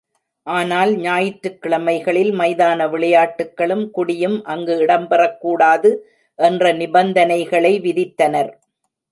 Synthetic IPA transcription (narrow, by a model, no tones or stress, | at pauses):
ʔaːnaːlɲaːjɪʈɾɯkːɪɭɐmɐɪɣɐɭɪlmɐɪðaːnɐʋɪɭɐjaːʈːɯkːɐɭɯmkʊɽɪjɯmʔɐŋɡɯɪɽɐmpɐrɐkːuːɽaːðɯ | ʔɛndrɐnɪbɐnd̪ɐnɐɪɣɐɭɐɪʋɪðɪt̪ːɐnɐɾ